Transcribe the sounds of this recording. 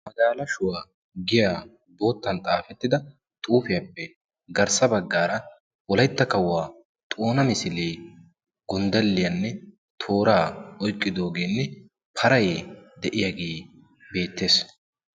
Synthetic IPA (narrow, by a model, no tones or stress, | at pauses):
mɐɡ̪aːlɐʃʊwaː | ɡɪjaː | bo̞ːt̪ːɐnt̪ʼaːfɛt̪ːɪd̪ɐ | t̪ʼuːfɪjɐpːɛ | ɡɐɾsɐbɐɡːaːɾɐ | wɔlɐjt̪ːɐkɐwːaː | t̪ʼoːnɐmɪsɪleː | ɡ̥ʊnd̪ɛlːɪjɐnːɛ | t̪ʰo̞ːɾaːɔjkʼːɪd̪o̞ːɡe̞ːnːɛ | pʰɐɾɐjd̪ɛʔɪjaɡe̞ː | be̞ːt̪ːe̞ːs